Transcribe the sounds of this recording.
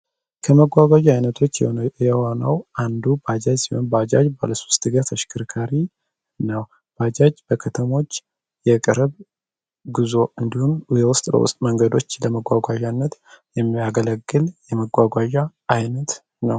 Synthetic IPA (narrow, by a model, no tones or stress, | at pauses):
kʰəməɡʷaɡʷaʒajnət̪ʰo̞t͡ʃːjɛhonəwʔand̪ubəad͡ʒad͡ʒsihonbad͡ʒad͡ʒba̰ləsu̥st̪ʼɨɡət̪ʰəʃkʰɨɾkʰaɾi | nəw | b̥ad͡ʒad͡ʒb̥əkʰət̪ʰəmo̞t͡ʃː | jɛkʼɨɾβ | ɡɨzo̞ɨnd̪ihumjɛwʊst̪ʼbə̰wʊ̰st̪ʼməŋɡəd̪o̞t͡ʃːləməɡʷwaɡʷaʒanːət̪jɛmːiaɡələɡːɨljɛməɡʷaɡʷaʒaʔːjnət̪ | nəw